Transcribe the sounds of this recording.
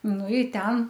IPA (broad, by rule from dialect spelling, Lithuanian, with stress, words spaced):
ˈnʊ ɪ ˈtʲɛn